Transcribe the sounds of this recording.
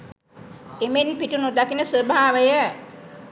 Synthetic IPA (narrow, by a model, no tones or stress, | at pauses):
emenpiʈunud̪akinəsobʱaːʋəjə